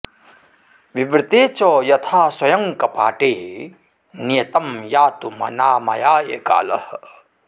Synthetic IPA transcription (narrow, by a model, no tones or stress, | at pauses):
ʋibɾɪt̪eːt͡ʃɐjɐt̪ʰaːswɐjɐŋkɐpa̰ːʈeː | nijɐt̪ɐmjaːt̪umɐ̰naːmɐ̰jaːjḛːka̰ːlɐ̰h